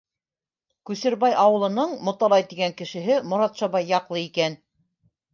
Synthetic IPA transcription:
kʉsɘ̆ɾbɑjʔɑwɤ̆lˠɤ̆nɤɴmŏt̪ɑlˠɑjt̪iɡæŋkɘ̆ʃɘ̆ɦɘmŏɾɑt̪ʃɑβɑjːɑqlˠɤikæn

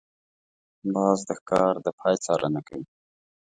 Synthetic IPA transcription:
bɑːzd̪əxkɑɾd̪əpʰɑjt͡sɑɾʔə̰nakawi

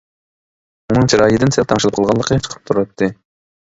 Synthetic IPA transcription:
unɨŋt͡ʃʰiɾɑːjid̪ɪnsɛlt̪ʰɑŋʃɨlˠɨpqʰəlˠʁɑlˠːəqʰət͡ʃʰə̥qʰə̥p̚t̪ʰuɾɑt̪ʰːɨ

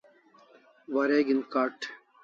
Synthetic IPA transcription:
ʋɐɾeːɡinkaːʈ

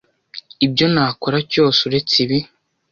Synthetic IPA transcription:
ibɟo̞naːko̞ɾaco̞ːsuɾet͡siβi

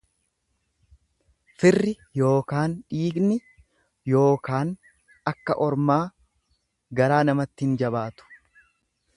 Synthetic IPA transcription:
fɪrːɪ | jo̞ːkaːnᶑiːɡnɪ | jo̞ːkaːn | ɐkːɐʔɔɾmaː | ɡɐɾaːnɐmɐt̪ːɪhɪnd͡ʒɐbaːt̪ʊ̥

